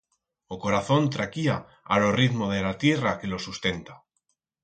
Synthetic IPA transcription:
oko̞ɾaθo̞nt̪ɾakia̰ | a̰lo̞riðmo̞ðelat̪jerake̞lo̞sust̪e̞nt̪ḁ

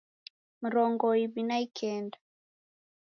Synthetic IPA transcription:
m̩ɾɔŋɡɔiβinaikʰɛnda

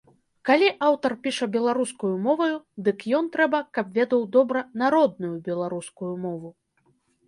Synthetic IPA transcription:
kalʲiʔawt̪ɐrpʲiʂɐbʲɛlˠaɾuskujumɔvɐjud̪ɨkjɔnt̪ɾɛbɐkɐbvʲɛd̪ɐwd̪ɔbɾɐnaɾɔd̪̚nujubʲɛlˠaɾuskujumɔvu

